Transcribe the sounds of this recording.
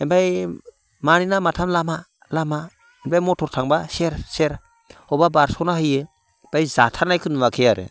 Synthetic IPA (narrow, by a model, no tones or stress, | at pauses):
enbaj | maninamatʰamlama | lama | enbajmɔtʰɔɾtʰaŋbaseɾseɾ | ɔbabaɾsɔwnahɯjɯ | b̥ajzatʰaɾnajkʰɯnumakʰejaɾɯ̰